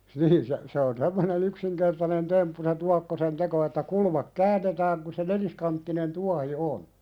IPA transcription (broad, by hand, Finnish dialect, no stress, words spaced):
niːn se se on semːonen yksiŋkertɑnen tempːu se tuɑkːosen teko etːæ kulmɑk kæːnːetæːŋ ku se neliskɑntːinen tuɑhi on